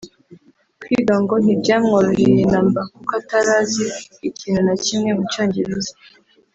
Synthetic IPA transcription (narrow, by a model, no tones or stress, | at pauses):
kʰwidoŋɡonibɟamŋoɾoɾiɾinambakukataɾaziicinunacimŋemut͡ʃaːɲɟiɾizi